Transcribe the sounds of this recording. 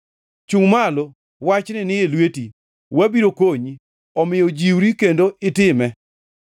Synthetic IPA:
t͡ʃuŋmalo | wat͡ʃnɪnɪelweti | wabiɾokoɲi | ɔmɪjɔd͡ʒiwɾikendoɪtɪmɛ

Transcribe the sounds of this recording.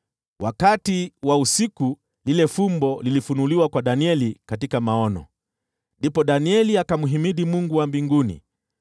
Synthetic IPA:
wʔakatiwausiku | lilɛfumbɔlilifunuliwakwaɗaniɛlikatikamaɔnɔ̰ | ndipɔɗaniɛliakamuɦimiðimuŋɡuwambiŋɡunḭ

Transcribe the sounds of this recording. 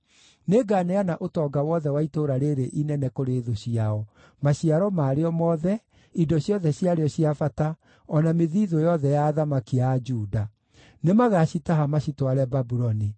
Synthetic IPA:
neɡanɛanaʔotɔɡawɔðɛwaitoɾaɾeɾeʔinɛnɛkoɾeːðoɕiaɔ | maɕiaɾɔmaːɾeɔmɔːðɛ | idɔɕjɔðɛɕiaɾeɔɕiafata | ɔnameðiðojɔðɛjaːðamakiad͡ʒuːda | nemaɣaɕitaɦamaɕitwaɾɛbabuɾɔni

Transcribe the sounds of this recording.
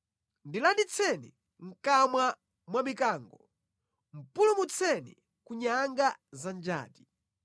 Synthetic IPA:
ndilandit͡sʰɛnḭ | ŋ̩kamwa | mwamikaːŋɡɔ | m̩pulumut͡sʰɛnḭ | kuɲaŋɡazand͡ʒa̰ːti̥

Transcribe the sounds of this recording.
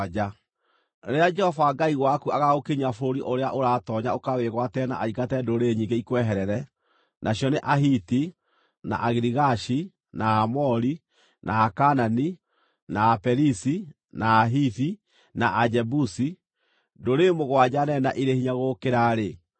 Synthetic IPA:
d͡ʒa | ɾead͡ʒɛhɔvaɡaiɣwakuaɣaɣokeɲafoɾiʔoɾeaʔoɾaːtɔɲaokaweɣwatɛna̰ʔaikatɛdoɾeɲiːŋɡeikwɛɦɛɾɛɾɛ | nʔaɕjɔneʔaɦiti | na̰ʔaɣiɾiɣaʃi | naamɔɾi | nʔaːkanani | naːpɛɾisi | naːɦiθi | naʔad͡ʒɛbusi | doɾemoɣwad͡ʑanɛnaʔiɾehiɲaɣokeɾaɾe

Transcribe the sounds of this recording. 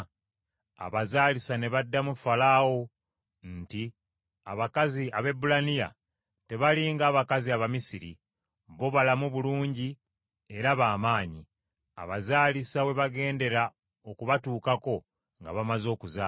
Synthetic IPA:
a̰βazaːlisane̞βadːamufalaːwo̞ | nti | aβakaziaβe̞bulanija̰ | te̞βaliŋɡaːβakaziaβamisiɾḭ | βo̞βalamuβuluːɲɟi | e̞ɾaβaːmaːɲi | a̰βazaːlisawe̞βaɡe̞ːnde̞ɾa | okuβatuːkako̞ | ŋɡa̰βamazo̞ːkuzaː

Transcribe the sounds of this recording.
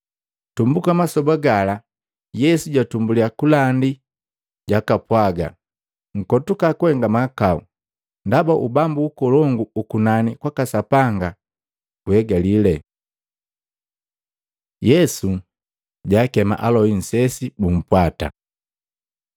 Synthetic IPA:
tumbukamasɔbaɡala | jɛsuɟatumbuliakulandi | ɟakapwaɡa̰ | ŋ̩kɔtukakuhɛŋɡamakaṵ | ndabaʔubambuːkɔlɔŋɡuukunanikwakasapaŋɡa | kuhɛɡalilɛ | jɛsu | ɟaːkɛma̰ʔalɔin̩sɛsibum̩pwata̰

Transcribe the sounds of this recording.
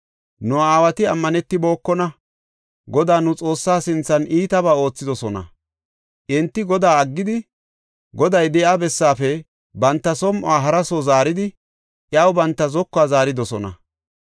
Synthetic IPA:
nʊaaːwɐt̪ɪɐmːɐnɛt̪ːɪbo̞ːkːɔnɐ | ɡɔd̪aːnʊt͡sʼo̞ːsːaːsɪnt͡sːɐnʔiːt̪ɐbaːo̞ːt͡sːɪd̪ɔsɔnɐ̰ | ʔɪnt̪ːɪɡɔd̪aːɐɡːɪd̪ɪ | ɡɔd̪ɐjd̪ɛʔabɛsːaːfɛ | bɐnt̪ːɐsɔmʔʊaːɦɐɾɐsɔzaːɾɪd̪ɪ | ʔjɐwbɐnt̪ːɐzɔkːaːzaːɾɪd̪ɔsɔnɐ̰

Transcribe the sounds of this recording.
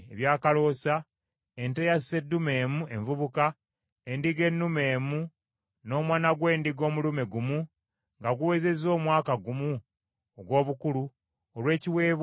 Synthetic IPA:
eβjaːkalo̞ːsa | entejasse̞dːume̞ːmueɱvuβuka | endiɡe̞nːume̞ːmu | no̞ːmwaːnaɡwe̞ːndiɡo̞ːmulume̞ɡumu | ŋɡaɡuwe̞ːze̞zo̞ːmwaːkaɡumu | oɡwo̞ːβukulu | olwe̞ːciwe̞ːβ

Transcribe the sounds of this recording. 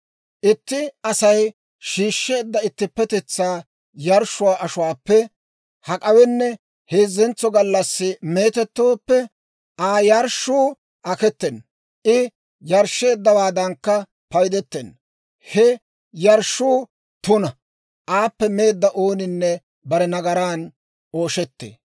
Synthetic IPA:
ʔɪt̪ːɪɐsɐj | ʃiːʃːe̞ːd̪ːɐɪt̪ːɪpːɛt̪ɛt͡sːaː | jɐɾʃːʊwaːʔɐʃʊwaːpːɛ | hɐkʼɐwɛnːɛ | heːzːɛnt͡sːɔɡɐlːɐsːɪme̞ːt̪ɛt̪ːoːpːɛ | ʔaːjɐɾʃuː | ʔɐkɛt̪ːɛn | ʔɪ | jɐɾʃːe̞ːd̪ːɐwaːd̪ɐŋkːɐ | pɐjd̪ɛt̪ːɛn | hɛ | jɐɾʃuː | t̪ʊnɐ | ʔaːpːɛme̞ːd̪ːɐʔoːnɪnːɛ | bɐɾɛnɐɡɐɾaːn | o̞ːʃɛt̪ːḛː

